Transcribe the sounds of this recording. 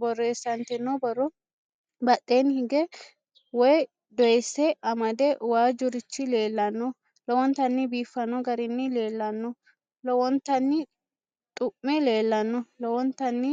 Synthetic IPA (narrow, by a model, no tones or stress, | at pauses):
bɔrːe̞ːsːɐnt̪ɛnːɔbɔrːɔ | bɐtʼːeːnhɪɡɛ | wɔj | d̪ɔjɛsːɛʔɐmɐd̪ɛwaːd͡ʒʊɾɪt͡ʃːɪle̞ːlːɐnːɔ | lɔwɔnt̪ɐnːɪbiːfːɐnɔɡɐɾɪnːɪle̞ːlːɐnːɔ | lɔwɔnt̪ɐnːɪ | t̪ʼʊʔːɛle̞ːlːɐnːɔlɔwɔnt̪ɐnːɪ